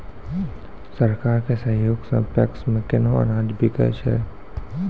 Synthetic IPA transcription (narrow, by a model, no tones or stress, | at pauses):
sɐɾkaːɾkesə̃ɦjoːɡsə̰̃mpɛ̰ksmẽkɪnoə̰naːd͡ʒbʱikə̰t͡ʃɛ̰ː